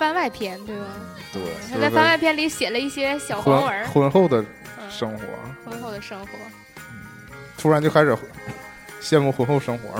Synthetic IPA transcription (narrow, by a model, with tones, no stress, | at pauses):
fa˥nwa˥˩ɪpʰjɛ˥nt̪we˥˩ɪa˨˩ | t̪we˥˩ɪ˥˧fa˥˧nwa˥˩ɪpʰjɛ˥nli˧˥ɕjɛ˨˩lə˦i˥˩ɕjɛ˥ɕjɑ˨˩ʊxnə˧˥xwə˧˥nxo˥˩ʊd̪ə˩ | ʂɤ˥ŋxwɔ̰˧˥xwə˧˥nxo˥˩ʊd̪ə˩ʂɤ˥ŋxwɔ̰˧˥ | n̩˥˩ | t̪ʰu˥ɻa˧˥nt͡ɕjo˥˧ʊa˥ʂɻ̩˨˩ | ɕjɛ˥˧nmu˥˩xwə˧˥nxo˥˩ʊʂɤ˥ŋxwɔ̰˧˥